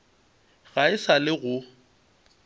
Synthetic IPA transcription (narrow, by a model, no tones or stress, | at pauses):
ɣaɪsalɪɣʊ